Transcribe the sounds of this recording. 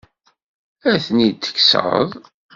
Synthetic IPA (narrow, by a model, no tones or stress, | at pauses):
æθnit̪ːə̥kːsðˤ